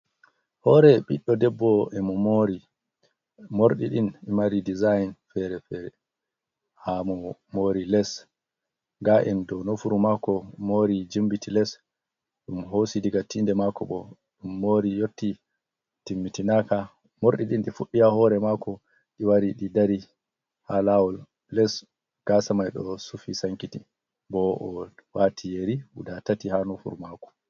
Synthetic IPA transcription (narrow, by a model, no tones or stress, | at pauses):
hɔːɾɛɓiɗːɔdɛbːɔɛmɔmoɾi | moɾɗiɗinimaɾidizajnfɛɾɛfɛɾɛ | hamɔmoɾilɛs | ɡaʔɛndɔnofuɾumakɔmoɾid͡ʒimbitilɛs | ɗumɦosidiɡatːindɛmakɔɓɔ | ɗumːoːɾijotːi | timːitinaka | moɾɗiɗinɗifuɗːijahɔɾɛmakɔ | ɗiwaɾiɗidaɾi | halawɔlː | ɛs | ɡ̥asamajɗɔsufisaŋkiti | bɔʔɔwatʰijeɾiṵɗatatihanofṵɾumakɔ̥